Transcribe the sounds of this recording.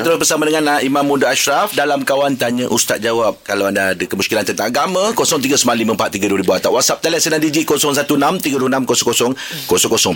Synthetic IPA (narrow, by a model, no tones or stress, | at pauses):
t̪əɾʊsbərsamadəŋãnaimãmːudaaʃɾafdalamkawant̪aɲəʔust̪at̪̚d͡ʒawap̚kalawandadəkəmuskilant̪ənt̪aŋaɡamãkosɔŋt̪̬iɡəsəmanlimə̃mpat̪ːiɡəduwəɾibuat̪aʔwasap̚t̪alɛsənãndid͡ʒikosɔŋs̬at̪unãmt̪iɡəduunamkosɔŋkosɔŋ | kosɔŋkosɔŋ